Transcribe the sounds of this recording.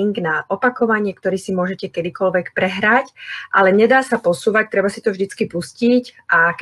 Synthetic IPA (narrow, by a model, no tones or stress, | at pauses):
ŋɡnaʔɔpakɔʋaɲɪɛkt̪ɔɾiːsimʊɔʒɛcɛkɛd̪ikɔlʋɛkpɾɛɦɾacʔa̰lɛɲɛd̪aːsapɔsuːʋac̚t̪ɾɛbasit̪ɔvʒd̪it͡skipuscicʔak